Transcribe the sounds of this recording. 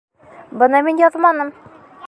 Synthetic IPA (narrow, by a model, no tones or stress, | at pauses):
bɤ̆nɤminjɒðmɑnɤm